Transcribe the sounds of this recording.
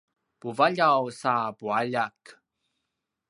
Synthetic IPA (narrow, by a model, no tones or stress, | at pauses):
puvaʎawsapuaʎak